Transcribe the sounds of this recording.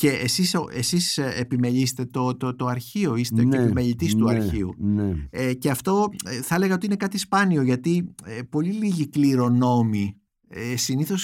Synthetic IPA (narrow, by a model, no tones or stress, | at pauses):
ce̞ʔesisoesisepime̞ʎise̥t̪et̪ot̪ot̪o̞ɐɾçio̞iseeepimeʎit̪ist̪uɐɾçiṵneece̞ɐft̪o̞θɐele̞ɣɐo̞t̪iine̞kɐt̪ispɐnio̞ʝɐt̪iepo̞liliʝikliɾo̞no̞mi | esiniθo̞s